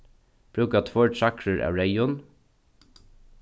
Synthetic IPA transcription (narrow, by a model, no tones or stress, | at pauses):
b̥ɾʉːkɑt̪ʰwɔɹɖʃɑkʰɹəɹʔæ̰ːɹeɪʊn